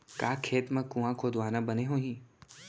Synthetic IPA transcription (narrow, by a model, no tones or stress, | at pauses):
kaːkʰeːt̪mɐ̃kũãkʰoːd̪ʋaːnabɐneɦoːɦĩː